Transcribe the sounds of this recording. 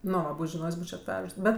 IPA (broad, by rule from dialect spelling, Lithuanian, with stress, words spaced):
ˈnʊ ˈʋɐ ˈbuːt͡ʃʲ ʒʲɪˈnoːjsʲ ˈbuːt͡ʃʲoː ɐtʲˈʋʲɛʃs ˈbʲɛt